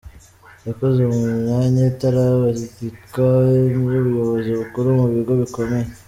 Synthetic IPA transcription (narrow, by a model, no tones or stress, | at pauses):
jako̞zemuɲɲaɲataɾaβaʃitikamuβujo̞βo̞ziβukuɾumuβiɡo̞βiko̞me̞je